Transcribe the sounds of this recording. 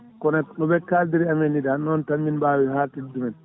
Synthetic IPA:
kɔnanɔbɛkːaldiɾiamɛnːidanɔntamːinbaːwihatidumɛn

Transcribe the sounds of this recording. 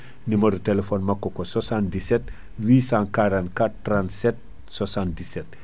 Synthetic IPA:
nimɐɾutelefɔnmɐkːɔkososãndisɛt | wiːsãkaɾãntkatːɾãntsɛt̚ | swasãnt̚disɛt̚

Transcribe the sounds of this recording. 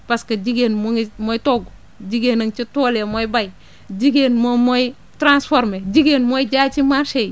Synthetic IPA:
paskad͡ʒiɡenmoŋimojtoɡo | d͡ʒiɡenɐŋt͡ʃitoːlemojbaj | d͡ʒiɡenmomoj | tɾansfoɾmed͡ʒiɡenmojd͡ʒat͡ʃimaʃej

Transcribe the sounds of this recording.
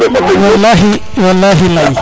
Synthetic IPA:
walːaːɦi | walːaːɦilaj

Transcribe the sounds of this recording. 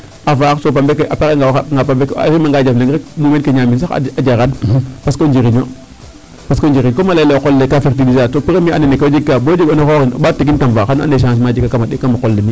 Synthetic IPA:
afaksopambekʔapeɣeŋɡawŋɡapambekɾimaŋɡad͡ʒafneɡɾɛk̚mumenkeɲamins̬axa̰ad͡ʒaɾanpaskoɲd͡ʒiɾiɲo̰ | paskoɲd͡ʒiɾiɲkomaleleokolːekafeɾtilizasopeɾemianenekad͡ʒiɡabod͡ʒiɡonoxoɣino̰batːeɡ̬intamvaːxana̰neʃ̬ãns̬mad͡ʒiɡakamaɗikamakolːemi

